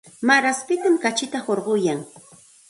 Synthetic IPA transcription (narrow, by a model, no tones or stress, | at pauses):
maɾaspɪt̪amkat͡ʃɪt̪ahoɾɢʊjaŋ